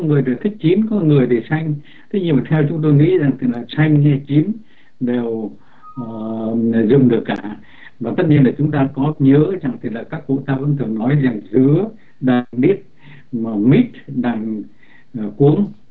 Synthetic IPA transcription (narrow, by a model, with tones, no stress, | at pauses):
ŋɨ˨˩əjɗe˨˩t̪ʰi˦˥k̟̚t͡ɕi˨˦nkɔ˨˦ŋɨ˨˩əjɗe˧˩sa˧jŋ̟ | t̪ʰə˨˦ɲi˧maː˨˩t̪ʰɛ˧wt͡ɕʊ˨˦ŋ͡mt̪̬o˧jŋḭ˧˥za˨˩ŋt̪ʰi˨˩laː˨˩sa˧jŋ̟hɛ˧t͡ɕi˨˦m | ɗe˨˩wː | zʊ˨˩ŋ͡mɗɨ˨˩əkːaː˧˩ | vaː˨˩t̪ə˦˥t̚ɲi˧ənlaː˨˩t͡ɕʊ˨˦ŋ͡mt̪aː˧kɔ˨˦ɲəː˧˥za˨˩ŋt̪ʰi˨˩laː˨˩kaː˦˥kːṵ˧˨t̪aː˧və̰˧˥nt̪ʰɨ˨˧˩ŋnɔ˨˦jza˨˩ŋzɨ˨˧˦ə | ɗaː˨˩ŋɗi˦˥ət̚ | maː˨˩mi˦˥t̚ɗaː˨˩ŋ˨˩ | ku˨˦əŋ